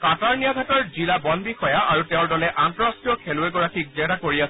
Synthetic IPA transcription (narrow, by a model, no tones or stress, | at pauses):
kataɹnijaɡʱatɔɹzilabɔnbixɔjaʔaɹutɛʊ̃ɹdɔlɛʔantɔɹastijɔkʰɛlʊeɡɔɹakʰik̚zɛɾakoɹiasɛ